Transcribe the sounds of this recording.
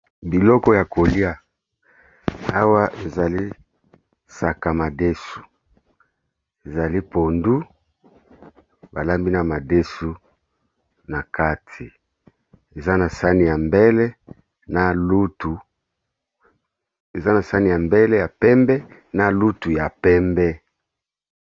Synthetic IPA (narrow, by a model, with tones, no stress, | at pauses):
bi˨lɔ˦kɔ˦ja˨ko˨li˦a˨ | a˦wa˦ʔe˨za˨li˦ | sa˨ka˨ma˨de˦su̥˨ | e˨za˨li˦po˨ndu˦ | ba˨la˦mbi˦na˨ma˨de˦su˦ | na˨ka˦tʰi˨ | e˨za˦na˨sa˦ni˨ja˨mbɛ˦lɛ˦ | na˨lu˦tu˨ | e˨za˦na˨sa˦ni˨ja˨mbɛ˦lɛ˦ja˨pɛ˦mbɛ˦na˨lu˦tu˨ja˨pɛ˦mbɛ˦